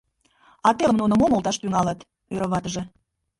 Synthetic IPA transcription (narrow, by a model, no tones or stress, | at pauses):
ɑt̪elə̆mnunəmomolˠt̪ɑʃt̪yŋɑlət̪ | øɾə̆βɑt̪əʒĕ